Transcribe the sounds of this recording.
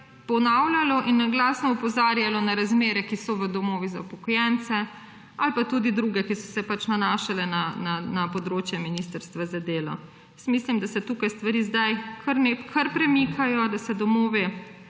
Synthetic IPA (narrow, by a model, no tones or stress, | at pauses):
pɔnawlʲalɔʔinːaɡlaːsnɔupɔzaːɾjalɔnaɾazmeːɾɛkisɔʋəd̪ɔmoːʋizaupɔkɔjɛnt̪sɛ | alpat̪ud̪id̪ɾuːɡɛkisɔsɛpat͡ʃnanaːʃalɛnananapɔd̪ɾoːt͡ʃjɛminist̪əɾst̪ʋazad̪eːlɔ̰ | jəsmislimd̪asɛt̪uːkajst̪ʋaɾiːzd̪ajkʰəɾnepkʰəɾpɾɛmikʰajɔd̪asɛd̪ɔmoːʋɛ